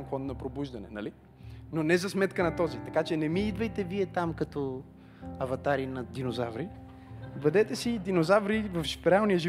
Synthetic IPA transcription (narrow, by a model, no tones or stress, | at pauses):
kɔnnɐpɾobuʒd̪ɐnɛ̰nɐli | nonɛzɐsmɛt̪kənɐt̪ɔzit̪ɐkat͡ʃɛnɛmiid̪vəjt̪ɛviɛt̪amkɐt̪ɔ | ɐvɐt̪aɾinɐd̪inozavɾi | bɐd̪ɛt̪ɛsid̪inozavɾivɐfʃi̥pɛɾalˠnijəʒi